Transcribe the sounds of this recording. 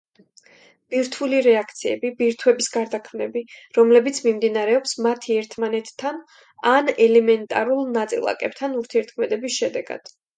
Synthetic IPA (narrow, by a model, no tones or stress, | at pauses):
b̥iɾt̪ʰuliɾɛakʰt̪sʰiɛ̰bibiɾt̪ʰwɛbisɡaɾd̪akʰmnɛbiɾɔmlɛbit̪sʰmimd̪inaɾɛɔpsmat̪ʰiɛɾt̪ʰmanɛt̪ʰːan | anɛlɛmɛnt̪ʼa̰ɾulˠnat̪sʼḭlˠa̰kʼɛp̚t̪ʰanuɾt̪ʰiɛɾt̪̚ʰkʰmɛd̪ɛbisʃɛd̪ɛɡ̥a̰d̪̥